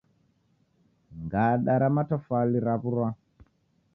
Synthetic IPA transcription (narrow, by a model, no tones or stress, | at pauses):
ŋɡaɗaɾamatafaliɾaβuɾwa